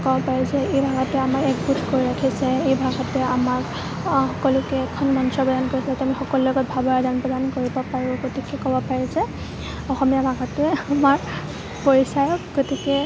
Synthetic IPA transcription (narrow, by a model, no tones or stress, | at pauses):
kɔbɔpaɹizɛejbʱaɡatɛamakɛk̚butʰkoɹiɹakʰisɛejbʱaɡatɛamaɹ | xɔkɔlʊkɛɛkʰɔnmɔnsɔbɔdankoɹistamixɔkɔlulɔɡɔt̚bʱabɔɹadanpɹɔdankoɹibɔpaɹʊ̃ɡotikɛkɔbɔpaɹizɛ | ɔxɔmijabʱaɡatʊɛamaɹ | poɹisajɔkɡotikɛ